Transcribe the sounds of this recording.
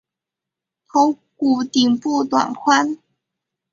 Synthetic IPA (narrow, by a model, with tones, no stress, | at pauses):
t̪ʰo˧˦ | ku˨˧˩t̪i˨ŋpu˥˧t̪wa̰˨˩nkʰwa˦n